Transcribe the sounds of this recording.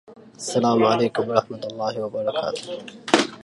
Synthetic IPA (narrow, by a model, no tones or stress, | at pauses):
asːalaːmʕaleːkʊmɑɾˤɑħmat̪alˤːɑːhɪwabɑɾˤɑkʰa̰ːt̪ʊ̥h